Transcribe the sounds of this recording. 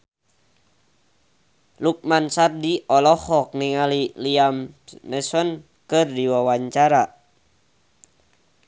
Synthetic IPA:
luk̚mansardiʔɔlɔhɔk̚niŋaliliamnɛsɔn | kɨrdiwawaɲt͡ʃaɾa

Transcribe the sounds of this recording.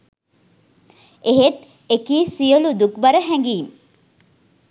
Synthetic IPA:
eɦet̪ | ekiːsijolud̪ukbɐɾəɦæŋɡiːn

